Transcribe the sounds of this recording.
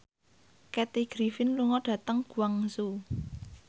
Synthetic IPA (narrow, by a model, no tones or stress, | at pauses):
kɛt̪iɡ̥ɾifɪnluŋɔɖ̥ä̤t̪əŋɡ̥uaŋsu